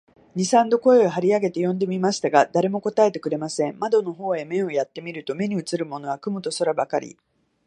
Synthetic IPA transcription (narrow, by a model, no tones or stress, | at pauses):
ɲ̟isãnd̪o̞ko̞e̞oɦaɾʲiaɡe̞t̪e̞jõ̞nd̪e̞mʲimaɕi̥t̪aɡad̪aɾe̞mo̞ko̞t̪ae̞t̪e̞kɯ̟ɾe̞masẽ̞mmad̪o̞no̞ɦo̞ːe̞mẽ̞ɰ̃o̞jat̪ːe̞mʲiɾɯ̟t̪o̞me̞ɲ̟iɯ̟t͡sɨɾɯ̟mo̞no̞βakɯ̟mɯ̟t̪o̞soɾabakaɾʲḭ